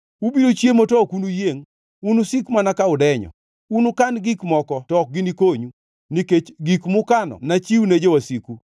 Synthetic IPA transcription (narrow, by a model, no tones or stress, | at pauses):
ubiɾot͡ʃjemotɔkunujeŋ | unusikmanakaʊdɛɲɔ̰ | unukanɡikmɔkɔtɔk̚ɡɪnikoɲu | niket͡ʃɡikmʊkanɔ̰nat͡ʃiwuned͡ʒewasiku